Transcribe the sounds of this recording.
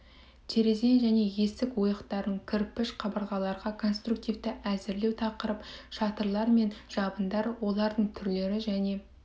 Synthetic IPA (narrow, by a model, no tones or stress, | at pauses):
t̪ʰe̞ɾe̞ze̞jʒæne̞je̞sɪkwo̞jəqt̪ɑɾd̪əɴkʲʰɪɾpːɪʃqʰɑbəɾˠʁɑlˠɑɾʁɑkʰo̞nst̪ɾuk̚t̪ijvt̪ɪʔæzɪɾle̞wt̪ʰɑqəɾəpʃɑt̪əɾlˠɑɾme̞nʒ̥ɑbənd̪ɑɾwo̞lˠɑɾd̪əɴt̪ʰʏɾle̞ɾɪʒæne̞